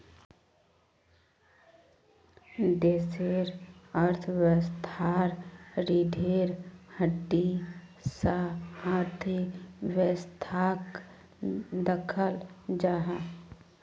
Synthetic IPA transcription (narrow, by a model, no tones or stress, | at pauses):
d̪eːseɾəɾt̪ʰwəst̪ʰaɾɾid̪ʱeːɾhəɖːisəhaɾt̪ʰiʋəst̪ʰaːk | d̪əkʰəld͡ʒaːɦa